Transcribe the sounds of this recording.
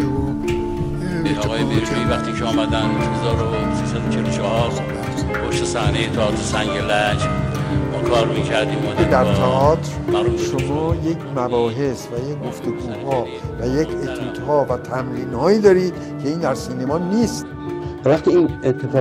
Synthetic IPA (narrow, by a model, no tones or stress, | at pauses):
inɒːɣɒːjebeuʃivæxt̪iːcʰeɔːmæd̪ænohezɒːɾo | sisæd̪ot͡ʃʰelot͡ʃʰɔhɒs | bʰoʃt̪esæhnejet̪ʰɒɒːt̪ɾesæŋɡelæd͡ʒmunkʰɒːɾmiːcʰæɾd̪iːmɔed̪æɾt̪ʰɒʔɒːt̪ʰɾæuʃomɒːjecʰmæbɒːɦe̞svæjekɡo̞ft̪eɡuːɦɒː | væjecʰet̪ʰuːt̪hɒːvæt̪ʰæmɾiːnhɒːiːd̪ɒːɾiːd̪̥ | cʰe̞iːnd̪æɾsiːne̞mɒːniːst̪ | væχt̪iinet̪ʰːefɒː